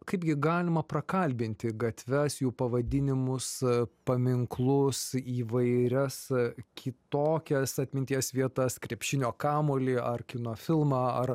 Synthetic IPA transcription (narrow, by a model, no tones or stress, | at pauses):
kɐɪbɡʲɪɡɑːlʲɪmɐpɾɐkɐlʲbʲɪnʲt̪ʲɪɡɐt̪ʲʋʲɛsjuːpɐʋɐd̪ʲɪnʲɪmʊspɐmʲɪŋklˠʊsiːʋɐɪɾʲɛskʲɪt̪oːkʲɛsɐt̪ʲmʲɪnʲt̪ʲijɛsʋʲiɛt̪ɐskɾʲɛpʲʃʲɪnʲoːkɑːmoːlʲɪɐrkʲɪnoːfʲɪlˠmɑːɐr